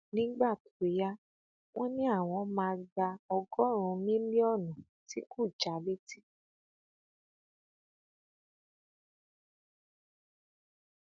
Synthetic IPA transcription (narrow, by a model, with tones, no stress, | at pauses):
nĩ˦ɡ͡ba˦˨tu̥˨e˨˦ja˦ | w̃ɔ̃˦nĩ˦a˦˨w̃ɔ̃˧˦mãː˧da˧ɔ˧ɡɔ˦ɾ̃ũ˧mĩ˦mĩ˦ɔ˦˨nɔ̃˨ | ti˨˦ku˦˨t͡ʃa˨le˦ti˦